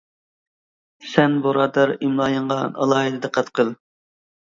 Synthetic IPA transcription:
sɛnbuɾɑːd̪ɑɾimlˠɑːjəɴʁɑɑ̰lˠɑːɦɨd̪ɨd̪ɛqʰɑt̪qʰəlˠ

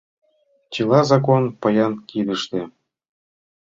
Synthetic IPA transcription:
t͡ɕilˠɑzɑk̬onpɤ̆jɑnkid̪ə̆ʃt̪ĕ

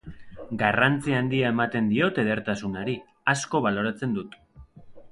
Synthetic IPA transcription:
ɡarant͡siaːnd̪iae̞mat̪e̞nd̪io̞t̪e̞ð̞e̞ɾt̪asunaɾi | asko̞β̞alo̞ɾat͡se̞nd̪ut̪

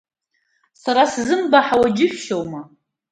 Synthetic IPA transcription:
saɾaszɨmbaħawad͡ʒɪħʷᶣʃowma

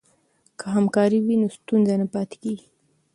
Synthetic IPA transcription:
kʰəɦamkɑɾiwinost̪unzanapɑt̪e̥keɡi

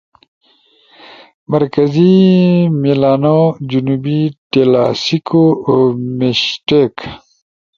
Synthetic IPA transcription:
mɐɾkɐzimilaːnod͡ʑunuːbiʈela̰sikʰomeɕʈek

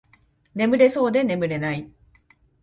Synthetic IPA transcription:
ne̞mɯ̟ɾe̞so̞ːd̪e̞ne̞mɯ̟ɾe̞nai

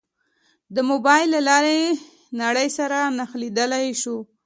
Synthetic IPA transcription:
d̪əmobɑjlːalɑɾe | naɽəjsaɾanaxlid̪əlajʃu

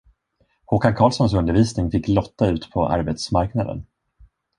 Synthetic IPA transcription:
huːkankʰɑːlsɔnsɵnd̪əɾviːsnɪŋfɪkːlɔt̪ːaʉ̟ːt̪pʰɔʔa̰ɾbɛt̪smaɾknad̪ə̰n

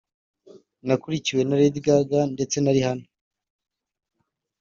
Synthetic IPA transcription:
nakuɾiciwe̞naɾed̪ɡaɡande̞t͡se̞naɾihano

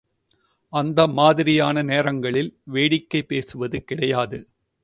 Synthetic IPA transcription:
ɐnd̪ɐmaːðɪɾɪjaːnɐneːɾɐŋɡɐɭɪlʋeːɽɪkːɐɪpːeːsɯʋɐðɯkɪɽɐjaːðɯ

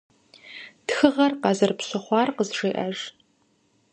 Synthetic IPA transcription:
txɨʁɐrqɑzɐrpɕɨχʷɑːrqəzʐeːʔɐʒ

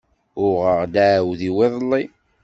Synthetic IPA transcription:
ʊʁəʁd̪aʕwðiwɪðˤəlˤːi

